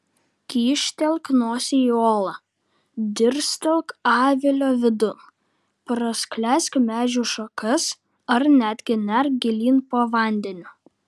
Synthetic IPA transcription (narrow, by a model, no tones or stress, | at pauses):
kʲiːʃʲt̪ʲɛlˠknoːsʲɪioːlˠɐ | d̪ʲɪɾsʲt̪ʲɛlˠkɑːʋʲɪlʲoːʋʲɪd̪ʊn | pɾɐsklʲæsʲkʲmʲæːʒʲuːʃɐkɐs | ɐɾnʲæːd̪ʲɡʲɪnʲɛɾɡʲɪlʲiːnpoːʋɐˑnʲd̪ʲɛnʲʊː